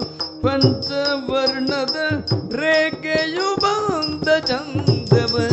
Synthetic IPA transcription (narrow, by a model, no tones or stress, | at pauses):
pɐnt͡ʃɐʋɐɾɳɐd̪ɐɾeːkejubaːnd̪ɐt͡ʃɐnd̪ɐbɐ